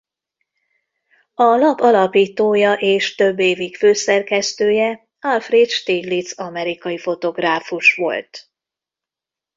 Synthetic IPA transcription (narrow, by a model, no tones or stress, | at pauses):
ɒlɒpɒlɒpiːt̪oːjɒʔeːʃt̪ø̞bːeːvikføːsɛrkɛst̪øːjɛ | ɒlfreːt̪ʃt̪iːlit̪sɒmɛɾikɒjifo̞t̪o̞ɡraːfuʃʋo̞̰lt̪